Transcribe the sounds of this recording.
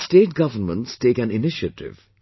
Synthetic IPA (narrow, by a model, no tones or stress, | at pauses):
sʈeːʈ̚ɡʌʋəɾmə̃ntsteːkæ̃nɪnɪʃəʈɪ̰ʋ